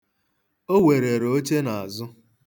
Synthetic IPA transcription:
o˦we˨ɾe˨ɾo˦t͡ʃe˦na˨a˨zʊ˦

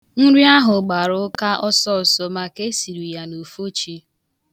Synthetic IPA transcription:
n̩˦ɾi˦a˦ɦʊ˨ɡ͡ba˨ɾʊ˦ka˦ʔɔ˦sɔ˦˨sɔ˦ma˨ke˦si˨ɾi˨ja˨nu˨fo˦t͡ʃi˦

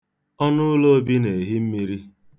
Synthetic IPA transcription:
ɔ˦nʊ˦lo˦bi˦ne˨ɦɪ˦m̩˦mi˦ɾi˦

